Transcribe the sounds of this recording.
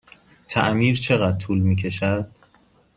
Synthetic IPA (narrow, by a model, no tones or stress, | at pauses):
t̪ʰæʔmiːɾt͡ʃʰe̞ɣæd̪̚t̪ʰuːlmiːkcʰe̞ʃæd̪̥